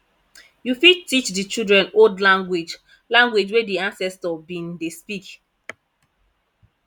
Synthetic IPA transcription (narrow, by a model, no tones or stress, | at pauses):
jufid̚tit͡ʃdit͡ʃildɹɛ̃nodlãŋɡwid͡ʒ | lãŋɡwed͡ʒwediãnsɛstɔbĩndespik